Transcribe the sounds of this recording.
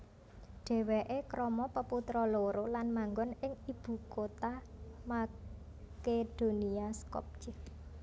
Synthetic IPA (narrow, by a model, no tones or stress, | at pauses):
ɖ̥ɛ̤weʔekɾɔmɔpəput̪ɾɔloɾolanmaŋɡɔnɪŋib̥ṳkot̪ama | ked̪̥o̤niaskɔ̰p̚t͡ʃɪk